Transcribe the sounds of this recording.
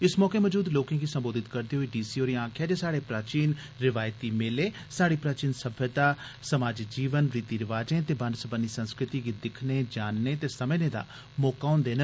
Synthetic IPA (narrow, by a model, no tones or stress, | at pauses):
ɪsmɔːkeːməːd͡ʒuːd̪loːkãːɡiːsəmboːd̪ɪt̪kəɾd̪iːɦoiːɖiːsiːoːɾiãːkʰjaːd͡ʒeːsaːɽeːpɾaːt͡ʃiːn | ɾɪʋaːjt̪iːmɪleː | saːɽiːpɾaːt͡ʃiːnsəbʱjət̪aː | səmaːd͡ʒd͡ʒiːʋənɾiːt̪iːɾɪʋaːd͡ʒẽːt̪eːbənsəbənːiːsə̃nskɾɪt̪iːɡiːd̪ɪkʰneːd͡ʒaːnːeːt̪eːsəmẽnẽːd̪a̰ː | mɔːkaːʊ̃ːnd̪eːnə